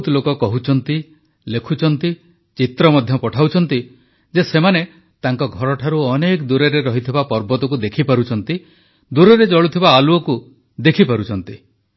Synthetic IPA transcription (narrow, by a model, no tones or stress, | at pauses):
t̪lokɔkɔɦut͡ʃʰɔnt̪i | lekʰut͡ʃʰɔnt̪i | t͡ʃit̪ɾɔmɔd̪ʱjɔpɔʈʰawt͡ʃʰɔnt̪i | d͡ʒesemane | t̪aŋkɔɡʱɔɾɔʈʰaɾuɔnekd̪uɾeɾeɾɔɦit̪ʰibapɔɾbɔt̪ɔk̬ud̪ekʰipaɾut͡ʃʰɔnt̪i | d̪uɾeɾed͡ʒɔɭut̪ʰibaːluɔku | d̪ekʰipaɾut͡ʃʰɔnt̪i